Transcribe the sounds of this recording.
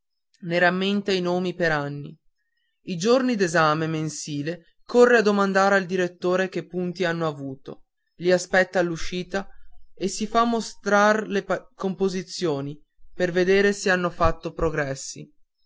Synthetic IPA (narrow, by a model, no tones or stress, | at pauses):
neɾamːent̪ainoːmipeɾanːḭ | id͡ʒornid̪ezaːmemensiːle | korːead̪omand̪aːɾeald̪iɾet̪ːoːɾek̟epːunt̪ianːoavuːt̪o̰ | liaspɛt̪ːaluʃiːt̪aesifamːost̪ɾarlekompozit̪sːjoːni | perved̪eːɾeseanːofat̪ːopɾoɡɾɛsːḭ